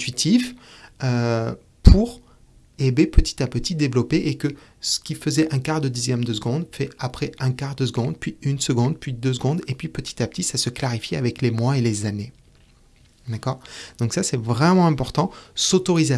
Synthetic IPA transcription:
t̪ɥit̪ʰifø | pʰuʁ | ebepət̪i̥t̪apət̪id̪evlɔpeʔekə | sə̥kʲifəzɛʔɛ̃kaʁd̪əd̪izjɛmd̪əsəɡɔ̃d̪fɛapχɛɛ̃kaʁd̪əsəɡɔ̃d̪pɥiynsəɡɔ̃d̪̚pɥid̪øs̬ɡɔ̃d̪epɥipət̪i̥t̪apə̥t̪isasəklaʁifjiavɛklemwaelezane | d̪akɔːʁd̪̥ɔ̃ksasɛvʁɛmɑ̃ɛ̃pɔʁt̪ɑ̃sot̪ɔʁize

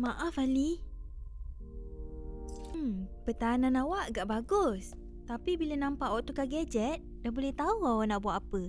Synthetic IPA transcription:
maʔafali | m̩mpət̪anãnawaʔɡaʔbaɡʊs | t̪apibilənãmpaʔwaʔt̪ukaɡad͡ʒɛt̪̚dahbolɛht̪auawanaʔbuaʔ̪apə

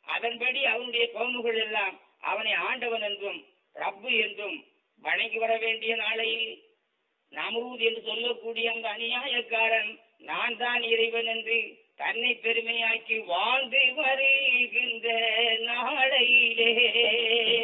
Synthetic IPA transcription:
ʔɐ̰ðɐnpɐɽiɐʋɐnʊɽɐjɐkoːnɯɣɐɭɛlːaːm | ʔɐ̰ʋɐnɐɪaːɳɖɐʋɐnɛndrɯm | rɐbːɯɛndrɯm | ʋɐɳɐŋɡɯʋɐɾɐʋeːɳɖɪjɐnaːlɐjɪl | nɐmɾuːðɛndrɯsɔlːɐkːuːɽɪjɐɐnd̪ɐːnɪjaːjɐkːaːɾɐn | naːnt̪aːnɪrɐɪʋɐnɛndrɯ | t̪ɐnːɐɪpːɛɾɯmɐjaːkːɯʋaːnd̪ɯʋɐɾɯɣɪndrɐnaːɭɐjɪleː

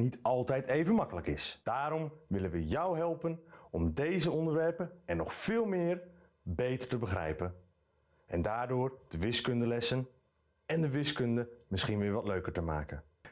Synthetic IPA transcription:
nitɑlˠtɛjtejvənmɑkələkɪsd̥aːɾɔmʋɪlənʋəjʌwɦɛlˠpənɔmdejzəɔndəɹʋɛɹpənɛnːɔχfɪːlˠmɪːɹ | bejtəɹtəbəχrɛ̰jpən | ʔɛndaːɹdʊːɹd̥əʋɪskɵndəlɛsən | ɛndəʋɪskɵndəmɪsχinʋɪːɹʋɑtløɥkəɹtəma̰ːkən

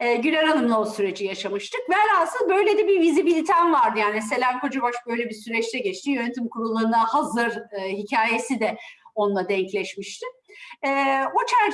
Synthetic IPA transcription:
ɛːɟylʲeɾanɯmlˠasyɾe̞d͡ʒijaʃamɯʃt̪ʰɯkvɛalasɯnbø̞jlʲe̞d̪ɛbivizibilʲit̪ʰænvaɾd̪ɯjaːnise̞lʲænko̞d͡ʒubaʃbø̞jlʲebisyɾɛt͡ʃt̪ʰɛɟɛt͡ʃt̪ʰijønyt̪ʰimkʰuɾulˠːaɾɯnahazɯɾɯɦicʰaːje̞sid̪ɛo̞nlˠad̪ɛɲclʲɛʃmiʃt̪ʰɪɛːot͡ʃʰæɾ

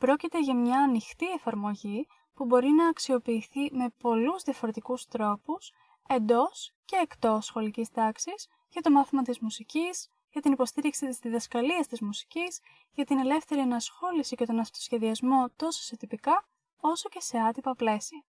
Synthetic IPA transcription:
pɾo̞cit̪e̞ʝɐmɲɐːnixt̪ie̞fɐɾmo̞ʝi | pubo̞ɾinɐːksio̞piːθime̞po̞luzðiɐfo̞ɾe̞t̪ikust̪ɾo̞pus | e̞nd̪o̞sce̞ːkt̪o̞sːxo̞licist̪ɐksis | ʝɐt̪o̞mɐθimɐt̪izmusicis | ʝɐt̪inipo̞st̪iɾiksit̪izðiðɐskɐliɐst̪izmusi̥ciz̥ | ʝɐt̪ine̞le̞fθe̞ɾiɐnɐsxo̞lisice̞t̪o̞nɐft̪o̞̥sçe̞ðiɐzmo̞t̪o̞so̥se̞t̪ipikɐ | o̞so̞ce̞se̞ɐt̪ipɐple̞siɐ

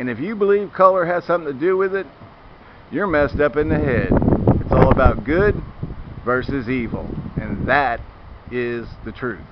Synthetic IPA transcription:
ɨ̃nɨfjɨbəliv̥kʰʌlˠə˞ɨz̥sʌ̃mθɪ̃ŋtʰɨdɨwɪðɪt̚ | jə˞mɛstʌpɨ̃nðɨɦɛd̥ɨtsɔlˠəbaʊt̚ɡ̥ʊd̚vɜ˞sɨzivl̩ˠɨ̃nðɨɾ | ɪzðɨtʰɹ̥ʉθ

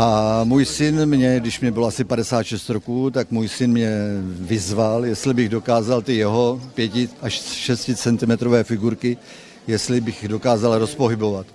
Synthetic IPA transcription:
ʔamuːjsɪnmɲɛɡdɪʃmɲɛbɪloasɪpadɛsaːt̪ʃɛst̪ɾokuːt̪akmuːjsɪnmɲɛvɪzvaljɛst̪lɪbɪɣdo̞kaːzalt̪ɪjɛɦo̞pjɛcɪʔaʃʃɛscɪt͡sɛnt̪ɪmɛt̪ɾovɛːfɪɡuɾkɪ | jɛst̪lɪbɪxdo̞kaːzalɾo̞spoɦɪbo̞vat̪

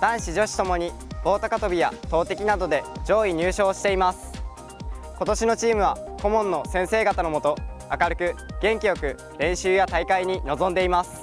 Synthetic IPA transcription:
d̪̥ãɰ̃ɕiʑo̞ɕi̥t̪o̞mo̞ɲ̟ib̥o̞ːt̪akat̪o̞bʲija̰t̪o̞ːt̪e̞kʲinad̪o̞d̪e̞d͡ʑo̞ːiɲ̟ɨːɕo̞ːɕi̥t̪e̞imasɨ̥ | ko̞t̪o̞ɕino̞t͡ɕiːmɯ̟β̞ako̞mõ̞nːo̞sẽ̞ɰ̃se̞ːɡat̪ano̞mo̞t̪o̞akaɾɯ̟kɯ̟ɡ̥ẽ̞ŋkʲijo̞kɯ̟ | ɾẽ̞ɰ̃ɕɨːjat̪aikaiɲ̟ino̞zõ̞nd̪e̞imasɨ̥

